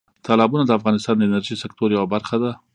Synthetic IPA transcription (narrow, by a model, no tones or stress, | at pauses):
t̪ʰɑlɑbunad̪əafɣɑnɪst̪ɑnd̪əɪnəɾʒisɪkt̪oɾjawabaɾxad̪a